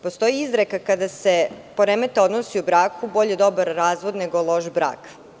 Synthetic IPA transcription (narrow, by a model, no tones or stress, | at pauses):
post̪o̞jiizɾekakad̪asepoɾemet̪eo̞d̪nosiubɾaːkubo̞ʎed̪o̞baɾːaːzʋod̪neɡolˠo̞ʃbɾa̰ːk